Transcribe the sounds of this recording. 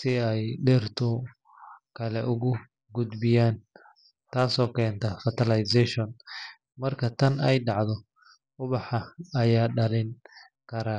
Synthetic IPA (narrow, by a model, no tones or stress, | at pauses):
sɪɛjɖɛrt̪ʰʊ | kʰɐlɛʔʊɣʊ | ɡʊd̪bɪjaːn | t̪ʰaːsɔːkʰɛːnt̪ʰɐfɐt̪ʰɐlɐjsɛʃɔn | mɐrkʰɐt̪ʰɐnɛjɖɑʕd̪ɔ | ʊβɑħɐɐjaːɖɐlɪŋ | kʰɐɾaː